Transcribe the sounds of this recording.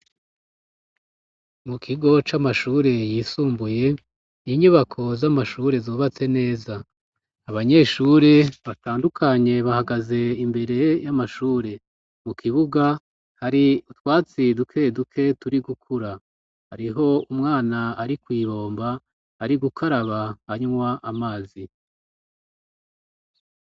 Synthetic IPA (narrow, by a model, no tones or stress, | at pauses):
mukʰiɡo̞t͡ʃamaʃuːɾe̞jiːsuːmbuje̞ | niɲuβakʰo̞zamaʃuːɾe̞zoːβat͡se̞ne̞ːzaː | βaɲe̞ːʃuːɾe̞βataːndukʰaɲe̞βahaɡaze̞imbe̞ɾe̞jamaʃuːɾe̞ | mukʰiβuɡa | haɾiutwaːt͡sidukʰe̞dukʰe̞tuɾiɡukʰuɾa | haɾiɦo̞umŋaːnaaɾikwiːβo̞ːmbaː | ɾiɡukʰaɾaβaaɲmwaʔamaːzi